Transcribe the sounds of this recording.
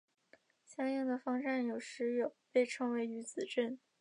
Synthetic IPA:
ɕjɑ˥ŋjɑ˥˩ŋd̪ə˩fɑ˥ŋʈ͡ʂa˥˩njo˨˩ʊʂɻ̩˧˥jo˨˩ʊpe˥˩ɪʈ͡ʂʰɤ˧˥ŋwe˧˥ɪy˧˥t͡sɹ̩˨˩ʈ͡ʂə˥˩n

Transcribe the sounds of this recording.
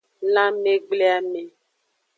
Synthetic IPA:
lã˦me˦ɡ͡ble˦a˦˨me˨

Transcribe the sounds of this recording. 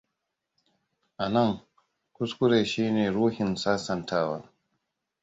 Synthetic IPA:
ʔa˨nɐ˦ŋ | kʷʊ˦skʷʊ˦ɾeː˨ʃiː˦neː˨ɽuː˦hɪ˨nsaː˦sɐ˨ntʰaː˦wa̰ː˦

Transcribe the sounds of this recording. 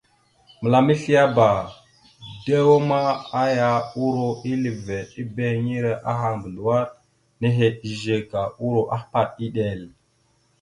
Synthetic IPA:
mə˨la˨mi˦ɬi˦ja˦ba˨ | de˦wo˦ma˦a˦ja˦u˦ɾo˦i˦lə˨ve˨ɗi˦be˦ŋi˦ɾe˨ʔa˦ɦa˨ŋbə˨ndu˨wa˦ɾ | ne˦ɦe˨i˨ʒe˨ka˨u˦ɾo˨ʔa˦pa˨ɗi˦ɗe˨l

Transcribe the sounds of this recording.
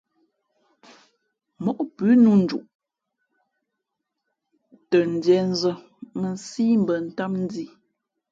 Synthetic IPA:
mɔ˨ʔpʉː˨˦nu˦n̩˨d͡ʒṵ˨ʔ | tə˨n̩˨dɛ˨n̩˦zə˨ | mə˨nsiː˦m̩˨bə˨n̩˨ta˦mn̩˦di˦˨

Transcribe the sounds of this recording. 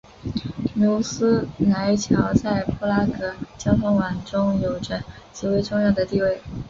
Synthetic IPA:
nu˧˥ʊsɹ̩˥na˧˥ɪt͡ɕʰjɑ˧˥ʊt͡sa˥˧ɪpʰu˥˧la˥kʰɤ˨˩t͡ɕjɑ˥ŋfɑ˧˥ŋwa˨˩nʈ͡ʂʊ˥ŋjo˨˩ʊʈ͡ʂə˥ | t͡ɕi˧˥we˧˥ɪʈ͡ʂʊ˥˧ŋjɑ˥˩ʊd̪ə˩t̪i˥˧we˥˩ɪ

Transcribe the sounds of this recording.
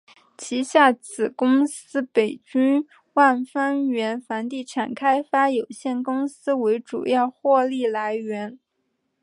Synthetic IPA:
t͡ɕʰi˧˥ɕja˥˩t͡sʰɹ̩˨˩kʊ˥ŋsɹ̩˥pe˨˩ɪt͡ɕy˥n | wa˥˩nfa˥nɥɛ˧˥nfa˧˥nt̪i˥˩ʈ͡ʂʰa˨˩nkʰa˥ɪfa˥jo˨˩ʊɕjɛ˥˩nkʊ˥ŋsɹ̩˥we˧˥ɪʈ͡ʂṵ˨˩jɑ˥˧ʊxwɔ˥˧li˥˩la˧˥ɪɥɛ˧˥n

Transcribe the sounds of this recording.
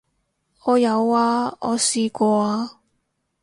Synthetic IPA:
ɔː˨˧jɐ˨˧waː˧ɔ̰ː˨˧siː˧kʷɔː˧aː˧

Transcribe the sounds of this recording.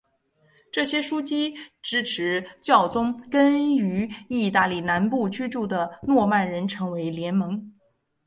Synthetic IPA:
ʈ͡ʂɤ˥˩ɕjɛ˥ʂu˥t͡ɕi˥ʈ͡ʂɻ̩˥ʈ͡ʂʰɻ̩˧˥t͡ɕjɑ˥˩ʊt͡sʊ˥ŋkə˥ny˧˥i˥˧t̪a˥˧li˥˩na˧˥npu˥˧t͡ɕy˥ʈ͡ʂu˥˩d̪ə˩nwɔ˥˧ma˥˩nɻə˧˥nʈ͡ʂʰɤ˧˥ŋwe˧˥ɪljɛ˧˥nmɤ˧˥ŋ

